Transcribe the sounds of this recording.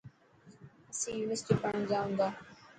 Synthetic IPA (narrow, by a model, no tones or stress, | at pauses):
ɐsĩːjuːnəsʈipəɳə̃nzaːɦʊ̃ːnd̪aː